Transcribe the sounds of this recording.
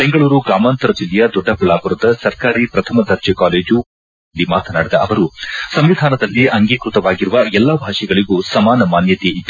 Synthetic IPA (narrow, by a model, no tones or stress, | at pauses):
b̥e̞ŋɡɐɭuːɾuɡɾaːmaːnt̪ɐɾɐd͡ʒilːɛjɐd̪ɔɖːɐpuɭaːbuɾud̪ɐsɐɾkaːɾipɾɐt̪ʰɐmɐd̪ʱɐɾt͡ʃɛkaːleːd͡ʒu | lːimaːt̪ʰɐnaːɽid̪ɐʔɐʋɐɾusɐmʋid̪ʱaːnɐd̪ɐlːiʔɐŋɡiːkɾut̪ɐʋaːɡiɾuʋɐɛlːabʱaːʂɛɡɐɭiɡusɐmaːnɐmaːnjɐt̪eit̪ː